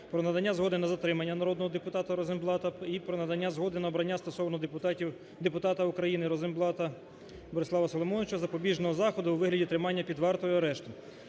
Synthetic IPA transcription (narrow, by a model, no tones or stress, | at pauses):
pɾɔnɐd̪ɐnʲːazɦɔd̪ɪnɐzɐt̪ɾɪmɐnʲːɐnɐɾɔd̪nɔɦɔd̪epʊt̪ɑt̪ɐɾɔzɪmblˠɑt̪ɐipɾɔnɐd̪ɐnʲːazɦɔd̪ɪnɐɔbɾɐnʲːast̪ɔsɔwnɔ | d̪epʊt̪ɑt̪ɐukɾɐjinɪɾɔzɪmblˠɑt̪ɐ | bɔɾɪsˠɑʋɐsɔlˠɔmɔnɪt͡ʃɐzɐpɔbʲiʒnɔɦɔzɑxɔd̪ʊwʋɪɦlʲɐdʲit̪ɾɪmɑnʲːɐpʲid̪ʋɑrt̪ɔjiɐɾɛʃt̪ɪ